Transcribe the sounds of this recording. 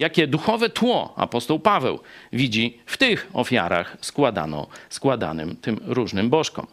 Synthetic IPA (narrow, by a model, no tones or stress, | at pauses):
jakʲɛd̪uxɔvɛt̪wɔ̰a̰pɔst̪ɔwpavɛ̰wvʲid͡ʑift̪ɪxɔ̰fʲja̰ɾaxskwad̪a̰nɔ̰skwad̪a̰nɘ̰mt̪ɘmɾuʐnɘmbɔʂkɔ̰m